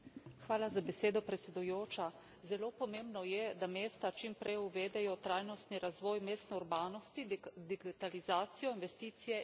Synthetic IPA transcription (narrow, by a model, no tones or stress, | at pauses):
xʋaːlazabɛseːd̪ɔpɾɛt̪sʲɛd̪ujoːt͡ʃa | zɛloːpɔmeːmbnɔjɛd̪ameːst̪at͡ʃimpɾɛjuʋeːd̪ɛjɔt̪ɾaːjnɔst̪niɾazʋɔːjmeːst̪nɛuɾbaːnɔst̪id̪iɡit̪alizaːt̪sijɔinʋɛst̪iːt̪sijɛ